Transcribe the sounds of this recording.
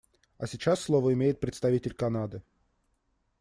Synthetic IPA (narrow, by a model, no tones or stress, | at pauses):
ɐsʲɪt͡ɕasːlˠovəɪmʲejɪt̪̚pɾʲɪt̪st̪ɐvʲitʲɪlʲkɐnad̪ɨ